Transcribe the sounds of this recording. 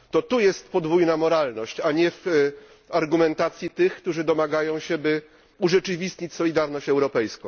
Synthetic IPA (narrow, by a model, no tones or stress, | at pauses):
t̪ɔt̪ujɛst̪pɔd̪vujnamɔɾalnɔɕt͡ɕaɲɛf | aɾɡumɛnt̪at̪sʲjit̪ɘxkt̪uʐɘd̪ɔmaɡajɔ̃w̃ɕɛbɘ | uʐɛt͡ʂɘvʲist̪ɲit͡ɕsɔlʲid̪aɾnɔɕt͡ɕɛwɾɔpɛjskɔ̃w̃